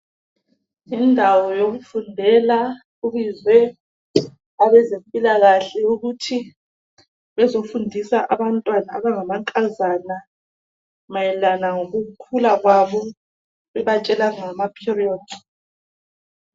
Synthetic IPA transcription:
indʱawɔjoɣufundʱɛla | uβizwɛ | aβɛzempʼilaɣaɬɛuɣutʰi | βɛzofundʱisaʔaβantʼwana̰ːβaŋamaŋkʼazana | majɛlanaŋoɣukʰulaɣwaβɔ | βɛβat͡ʃʼɛlaŋamapʰiriɔːd̥

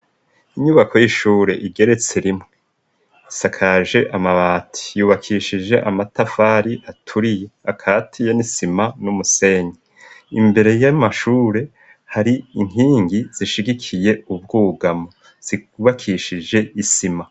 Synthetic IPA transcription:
iɲuβako̞jiʃuːɾe̞ʔiɡe̞ɾe̞t͡seɾimŋe | isakʰaʒe̞ʔamaβaːtʰi̥juːβakʰiʃid͡ʒe̞ʔamatafaɾiʔatʰuɾije̞akʰaːtʰijenisimanumuse̞ːɲi | imbe̞ɾe̞jamaʃuːɾe̞ | haɾiiŋɦiːŋɡiz̥iʃiɡikʰije̞uβɡuːɡamo | z̥iuβakʰiʃid͡ʒe̞isima

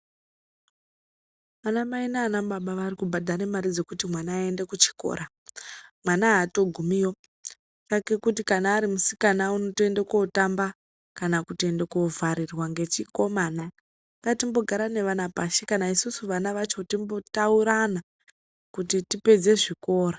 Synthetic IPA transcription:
anamainaːnamɓaɓaʋarikubʱadʱaɾemaɾid͡ze̞kutimwanaːende̞kut͡ʃi̥ko̰ɾa | mwanaɦato̞ɡʱumijo̞ | kake̞kutikanaːɾimusikanauno̞te̞ndekotamba | kanakute̞ndeko̞vaɾirwaŋɡe̞t͡ʃiko̞mana | ŋɡatimbo̞ɡʱaɾane̞ʋanapaʃikanaisusuʋanaʋat͡ʃo̞timbo̞tauɾana | kutitipe̞d͡ze̞ʐiko̞ːra

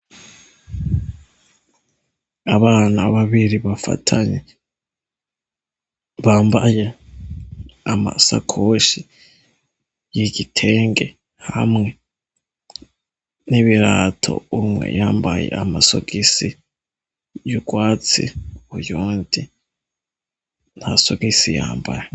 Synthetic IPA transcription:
aβaːnaβaβiɾiβafa̰tʰaɲe | βaːmbaje | amasakʰoʃi | jiɟitʰe̞ːŋɡe̞ | hamŋe̞ | niβiɾatʰo̞̰umwḛjaːmbajḛamaso̰ɡisi | juɡwaːt͡sḭujuːndi | nhasoɡisija̰ːmbaje

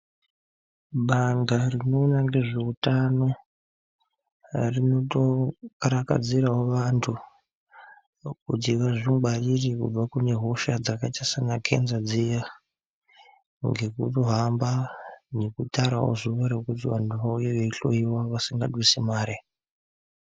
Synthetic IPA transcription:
ɓandarino̞ːnaŋɡe̞ʐe̞utano̞ | rino̞to̞kaɾaka̰d͡ziɾaɦoʋantʰu | kutiʋaʐimɡ͡balirikṵb͡vakune̞ɦo̞ʃad͡zakatasanakʰe̞̰nzad͡zija | ŋɡe̞kutoɦambane̞kutaɾa̰wo̰zuʋaɾe̞kutiʋantʰuʋaujeʋe̞iɬo̞̰iwaʋasiŋɡaɗwisimaːɾe

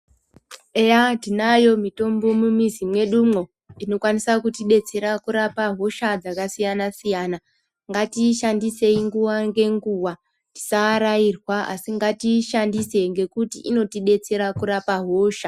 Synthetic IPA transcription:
ejatinajo̞mito̞mbo̞mumizimwe̞ɗumŋo̞ | ino̞kwanisakutiɓe̞t͡se̞ɾakuɾapaɦo̞ʃad͡zakasijanasijana | ŋɡatiʃandise̞iŋɡuʋaŋɡe̞ŋɡuwa | ti̥saːɾairwaa̰siŋɡatiʃandise̞ŋɡe̞kutiʔino̞tiɓe̞t͡se̞ɾakuɾapaɦoːʃa

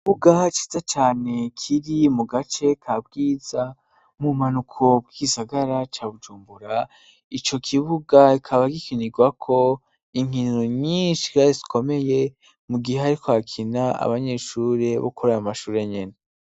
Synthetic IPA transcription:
iβuɡat͡ʃe̥zat͡ʃaːne̞kʰiɾimuɡat͡ʃe̞kʰabɡiːza | mumanukʰo̞b̚ɡiisaɡaɾat͡ʃaːβud͡ʒuːmbuɾa | it͡ʃo̞kʰiβuɡaikʰaβaɡikʰiniɡwakʰo̞ | iŋ̥inoɲiːnʃi̥kaezi̥kʰo̞me̞je̞ | muɡiheaɾikoakʰinaa̰βaɲe̞ːʃuːɾe̞βo̰kʰoɾeamaʃuːɾe̞ɲene

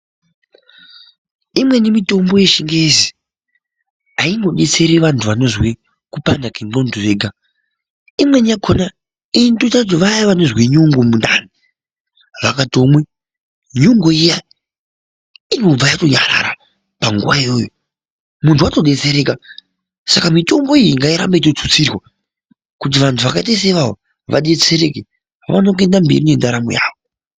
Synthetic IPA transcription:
imwe̞nimito̞mbo̞je̞ʃiŋɡezi | aiŋɡo̞ɗe̞t͡se̞ɾeʋantʰuʋano̞zwi | kupandakeŋɡonduʋeːɡʱa | imwe̞niakʰona | intotat̬iʋajaʋanozwiɲuŋɡomunda̰ni | ʋakatomwe | ɲoŋɡoija | inob͡vajato̞ɲaɾa̰ɾa̰ | paŋɡuʋaijo̰jo | muntuato̞ɗe̞t͡seɾe̞ːka | sakamitombo̞ijiŋɡaiɾa̰mbaitot͡sut͡sirwa | kut̬iʋantʰuʋakaitais̬aiʋao̰ | ʋʔa̰ɗe̞t͡se̞ɾe̞ke | ʋa̰no̞k̬e̞ndambḛɾine̞ndaɾamo̰ja̰ːʋo

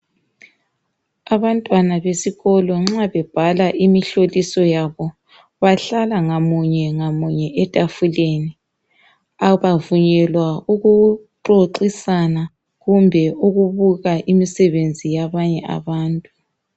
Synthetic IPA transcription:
aβantʼwanaβesiɣɔlɔŋ͡ǁaβɛb̥ʱalaʔimiɬolisɔjaβɔ | βaɬalaŋamuɲɛŋamuɲɛʔɛtʼafuleni | aβavuɲɛlwauɣuǃoǃisana | ɣumbʱɛuɣuβuɣaʔimisɛβend͡zʱijaβaɲɛʔa̰βaːntʼu

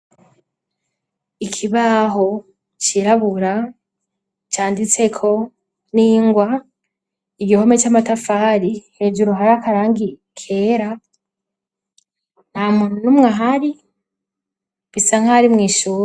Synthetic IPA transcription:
ikʰiβaːɦo̞ | t͡ʃiɾaβuɾa | t͡ʃaːndit͡se̞kʰo̞ | niːŋɡwa | iɡiho̞me̞t͡ʃaːmatafaːɾihe̞ːd͡ʒuɾoɦaɾakaɾaːŋɡi | kʰe̞ːɾa | n̥hamuːnunumŋaɦaɾi | βisaŋ̥haɾimŋiːʃuːɾ

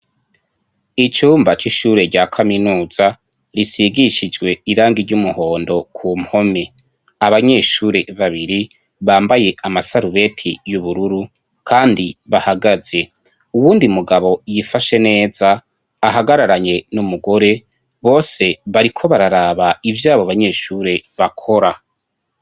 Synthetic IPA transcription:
it͡ʃuːmbat͡ʃiʃuːɾe̞ɾɟaːkʰaminuːz̥a | ɾisiɡiʃid͡ʒɡwe̞iɾaːŋɡiɾɟumuho̞ːndo̞kʰuːmho̞me | aβaɲe̞ːʃuɾe̞βaβiɾi | βaːmbaje̞ʔamasaɾuβe̞tʰijuβuɾuɾu | kʰaːndiβahaɡaz̥e̞ | uwuːndimuɡaβo̞jifaʃe̞ne̞ːz̥aː | ɦaɡaɾaɾaɲe̞numuɡo̞ɾe̞ | βo̞ːse̞βaɾikʰo̞βaɾaɾaβaivjaːβoβaɲe̞ːʃuɾe̞βakʰo̞ɾa

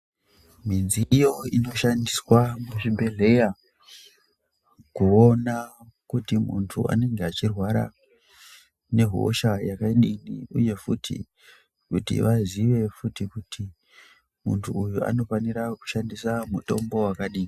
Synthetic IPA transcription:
m̤inziijo̞ino̞ʃandiswamuʐimbe̞ɮe̞ja | kuo̞na | kutimṵntʰua̰ne̞ŋɡeat͡ʃirwaɾa̰ | ne̞ɦo̰ʃajakaɗiniuje̞futʰḭ | kutḭʋaziʋe̞futikutʰi | mṵntʰuːjua̰no̞faniɾaku̥ʃandisamuto̞mbo̞wakaɗiːni

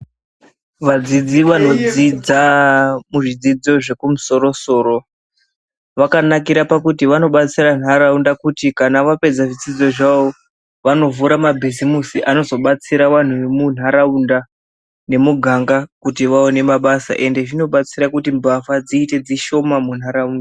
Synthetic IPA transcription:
ʋad͡zid͡ziʋano̞d͡zid͡zamuʐid͡zid͡zo̞ʐe̞kumuso̞ɾo̞so̞ːɾo̞ | ʋakanakiɾapakutiʋano̞ɓat͡siɾan̤aɾaundakutikanaʋape̞d͡zaʐid͡zid͡zo̞ʐaʋo̞ | ʋano̞vuɾamabʱizimusiʔano̞zo̞ɓat͡siɾaʋan̤uemun̤ɦaɾaunda | ne̞muɡʱaŋɡakutiʋaone̞maɓasa̰ʔe̞nde̞ʐino̞ɓat͡siɾakutimbafad͡ziːte̞d͡ziʃo̞mamun̤aɾaundaa

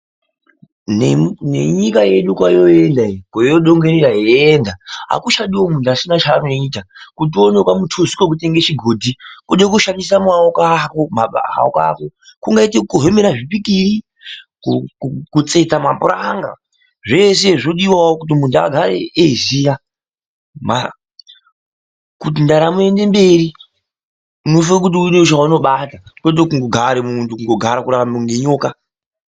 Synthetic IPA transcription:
nnḛɲikaje̞ɗukwajoendaikojoɗoŋɡeɾeɾaɦeendaɦa̰kuʃaɗiwo̞mundasinat͡ʃaːnoiːtakut̬ionekwamutʰozikwok̬ute̞ŋɡet͡ʃiɡʱoːdʱikuɗek̬uʃandis̬amaokakomaɓa̰ɦa̰oka̰kokuŋɡaitekuɦe̞meɾaʐipikiri | kuukut͡se̞t͡samapuɾaŋɡa̰ | ʐe̞se̞ʐino̞ɗiwaokut̬imundua̰ɡʱaɾeezija | ma̰ | kut̬indaɾamue̞nde̞mbe̞ɾi | unofak̬utiuneut͡ʃauno̞ɓatakwet̬ekuŋɡoɡʱaɾemuntʰukuŋɡo̞ɡʱaɾakuɾakamuŋɡeɲoːka

